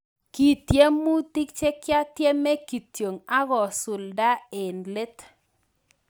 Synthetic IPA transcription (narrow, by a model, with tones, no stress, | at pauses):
ki˨tje˦mu˦ti˦k̚t͡ʃe˦kja˦t̪je˦me˦ki˨tjo˨ŋa˦ɣɔ˨sʊ˨lda˦e˨nle˦t̪